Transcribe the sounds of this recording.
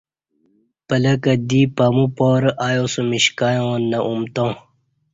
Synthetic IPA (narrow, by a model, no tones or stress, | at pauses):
pɐlɐkɐd̪ipɐmupoːɾʔaːjosumiɕkajõnɐʔumt̪õ